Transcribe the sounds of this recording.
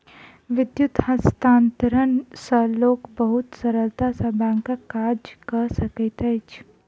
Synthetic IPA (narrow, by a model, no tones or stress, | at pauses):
ʋɪd̪jʊt̪hɐst̪aːnt̪əɾənsəloːkbəɦʊt̪səɾəlt̪asɐbãːŋkakaːɾd͡ʒkɐɾsəkət̪ɛt͡ʃʰ